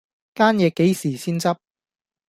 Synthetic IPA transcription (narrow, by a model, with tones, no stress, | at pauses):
kaː˥njɛː˨˧kːe˨˥jsiː˨˩siː˥nt͡sɐ˥p̚